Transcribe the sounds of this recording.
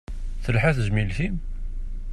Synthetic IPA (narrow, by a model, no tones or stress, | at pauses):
θəlħæθzmilθim